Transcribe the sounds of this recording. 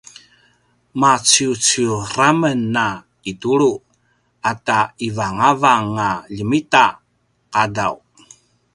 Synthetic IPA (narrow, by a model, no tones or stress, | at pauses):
mat͡sut͡suramənːa | ituɭu | ataivaŋavaŋːaʎəmita | qadaw